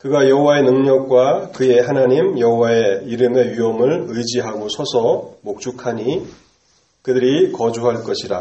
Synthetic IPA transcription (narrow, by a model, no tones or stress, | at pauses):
kɯɡajʌɦowae̞nɯŋɲʌk̚k͈wakɯe̞ɦanaɲimjʌɦowae̞iɾɯme̞ɥiʌmɯɭɯjd͡ʑiɦaɡosʰʌsʰʌmok̚t͡ɕ͈ukʰaɲi | kɯdɯɾikʌd͡ʑuɦaɭk͈ʌɕʰiɾa